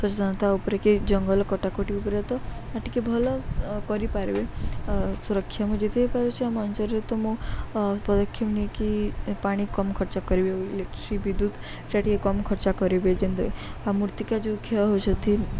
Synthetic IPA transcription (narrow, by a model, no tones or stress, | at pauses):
sɔt͡ʃd̪ʱənət̪aupɾeked͡ʒəŋɡəlkɔʈakoʈiupɾet̪ɔaʈːikebʱɔlkɔɾipaɾʋe | suɾəkʰːjamũd͡ʒet̪ʰepaɾet͡ʃʰeamant͡ʃəɾet̪ɔmõ | pɔd̪ɔkʰːimnikipaɽ̃ikɔmkʰɔɾt͡ʃakɔɾibeilekʈɾiʋid̪ud̪ | t͡ʃaʈikekɔmkʰɔɾt͡ʃakɔɾibed͡ʒend̪oamuɾt̪ikad͡ʒokʰeɦot͡ʃət̪ʰi